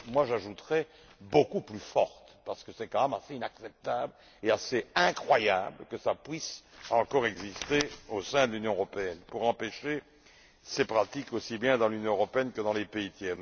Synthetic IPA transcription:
mwaʒaʒut̪ʁɛ | bokuplyfɔʁt̪paʁsə̥kəsɛkɑ̃mɛmaseinaksɛp̚t̪abl | easeɛ̃kχwaja̰bləkəsapɥisɑ̃kɔʁɛɡzist̪eosɛ̃d̪əlynjɔ̃øʁɔpeɛnpuʁɑ̃peʃe | sepχat̪ikosibjɛ̃d̪ɑ̃lynjɔ̃øʁɔpeɛnkəd̪ɑ̃lepeit̪jɛn

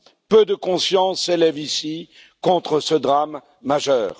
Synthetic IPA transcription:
pød̪əkɔ̃sjɑ̃sːelɛvisi | kɔ̃t̪χəsəd̪ʁamː | aʒœːʁ

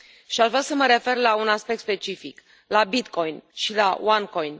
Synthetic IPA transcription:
ʃiaʒvɾʲasəməɾe̞fe̞rlaunaspek̚t̪spe̞t͡ʃifik | labit̪ko̞jnʃilawaŋkojn

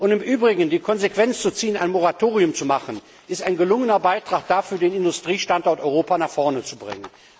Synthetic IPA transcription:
ʔʊntɪmʔyːbʁɪɡn̩diːkʰɔnzekv̥ɛnt͡st͡sut͡siːənaɪnmoʁatʰoːʁiʊmt͡sumaχən | ʔɪstaɪnɡəlʊŋənɐbaɪtʁ̥aːχd̥aːfyːɐdeːnɪndʊstʁ̥iːʃtantɔɐtɔʏʁoːpanaχfɔɐnət͡subʁɪ̰ŋən

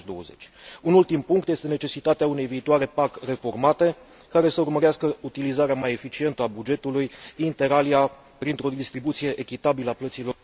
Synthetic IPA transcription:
d̪o̞wə̰ze̞̰t͡ʃʲunult̪impuŋkt̪jest̪e̞ne̞t͡ʃe̞sit̪at̪eaune̞jviːt̪oaɾe̞pakre̞fo̞rmat̪e̞ | kaɾe̞səurməɾeaskəut̪ilizaɾeamaje̞fit͡ʃie̞nt̪əabud͡ʒe̞t̪ulujint̪e̞ɾalia | pɾint̪ɾo̞d̪ist̪ɾibut̪sije̞ʔekʲit̪abiləaplət̪silo̞

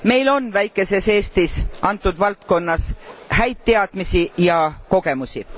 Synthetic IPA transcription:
me̞jlo̞nvæjkːˑe̞se̞se̞ːst̪isʔɑnt̪ːˑud̪vɑlt̪̚ko̞nːɑshæjt̪tːe̞ɑd̪̥misijɑko̞ɡ̥e̞musʲi

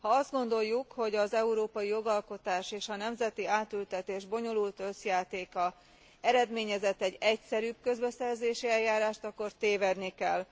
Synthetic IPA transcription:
hɒɒzd̪̚ɡo̞nd̪o̞jːukho̞ɟɒzɛuɾoːpɒjijo̞ɡɒlko̞t̪aːʃeːʃɒnɛmzɛt̪iaːt̪ylt̪ɛt̪eːʒbo̞ɲo̞lult̪ø̞sjaːt̪eːkɒ | ɛɾɛd̪meːɲɛzɛt̪ːɛɟɛcsɛɾyːb̚kø̞zbɛsɛrzeːʃiɛljːaːɾaːʃt̪ɒkːo̞rt̪eːvɛrnikɛl

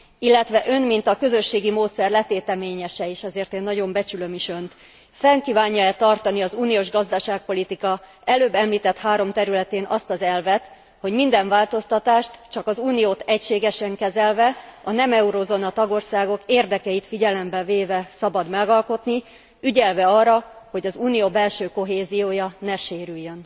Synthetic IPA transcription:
ilːɛt̪ʋɛʔø̞nmint̪ɒkø̞zø̞ʃːeːɡimoːt̪sɛrlɛt̪eːt̪ɛmeːɲɛʃɛeːʃɛzeːrt̪eːnːɒɟo̞mbɛt͡ʃylø̞miʃø̞nt̪ | fɛŋkiːvaːɲːɒɛt̪ɒrt̪ɒniɒzuːnijoːʒɡɒzd̪ɒʃaːk̚po̞lit̪ikɒ | ɛløːbːɛmliːt̪ɛt̪haːɾo̞mt̪ɛɾylɛt̪eːnɒst̪ɒzɛlvɛt̪ | ho̞ɟmind̪ɛɱvaːlt̪o̞st̪ɒt̪aːʃt̪t͡ʃɒkɒzuːnijoːt̪ɛcʃeːɡɛʃɛŋkɛzɛlvɛɒnɛmɛuɾozonɒt̪ɒɡo̞rsaːɡo̞keːrd̪ɛkɛit̪fiɟɛlɛmbɛveːvɛsɒbɒd̪mɛɡɒlko̞t̪ni | yɟɛlvɛɒːrɒho̞ɟɒzuːnijoːbɛlʃøːko̞ɦeːzijoːjɒnɛʃeːɾyjːøn

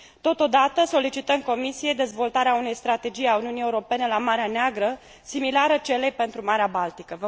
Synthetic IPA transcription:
t̪o̞t̪o̞d̪at̪əso̞lit͡ʃit̪əmko̞misije̞d̪e̞zvo̞lt̪aɾeaune̞jst̪ɾat̪e̞d͡ʒijauniunijeuɾo̞pe̞ne̞lamaɾeaneaɡɾə | similaɾət͡ʃe̞le̞jpe̞nt̪ɾumaɾeabalt̪ikəvə

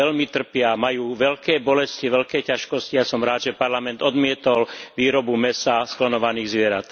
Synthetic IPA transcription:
ɛlmit̪r̩pɪamajuːʋɛʎkɛːbɔlɛsciʋɛʎkɛːcaʃkɔscijasɔmɾaːd̪ʒɛpaɾlamɛnd̪ɔd̪mɪɛt̪ɔlʋiːɾɔbumɛsasklɔnɔʋaniːɣzʋɪɛɾat̪

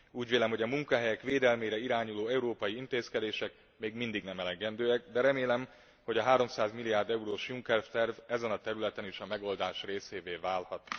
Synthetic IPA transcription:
uːɟʋeːlɛmɦo̞ɟɒmuŋkɒɦɛjɛkʋeːd̪ɛlmeːɾɛiɾaːɲuloːɛuɾoːpɒjiint̪eːskɛd̪eːʃɛk | meːɡmind̪iɡnɛmɛlɛɡɛnd̪øːɛk̚d̪ɛɾɛmeːlɛm | ho̞ɟɒɦaːɾo̞msaːzmilːijaːrd̪ɛuɾoːʃjuŋkɛrft̪ɛrvɛzɛnɒt̪ɛɾylɛt̪ɛniʃɒmɛɡo̞ld̪aːʃreːseːveːvaːlhɒt̪

